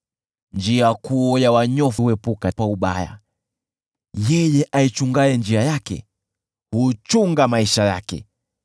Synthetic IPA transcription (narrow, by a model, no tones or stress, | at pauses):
nd͡ʒiakuɔjawaɲɔfwɛpukawauɓaja̰ | jɛjɛʔait͡ʃuŋɡaɛnd͡ʒiajakɛ̰ | hut͡ʃuŋɡamaiʃajakɛ̰